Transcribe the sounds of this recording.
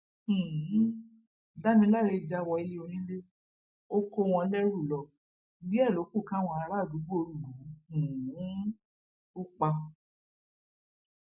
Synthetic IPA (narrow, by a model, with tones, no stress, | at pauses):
da˦mĩ˧˦la˦˨ɾe˧˨d͡ʒa˧wɔ˧i˧le˧o˧ɾ̃ĩ˦le˦ | o˦ko˧w̃ɔ̃˧lɛ˦ɾu˦˨lɔ˧ | bi˦ɛ˦˨lo˨˦ku˦˨kã˦w̃ɔ̃˧a˧ɾa˦˨du˨˦bo˧ɾu˦˨lu˨˦˨ũ˨ũ˨˦ | u˦k͡pa˧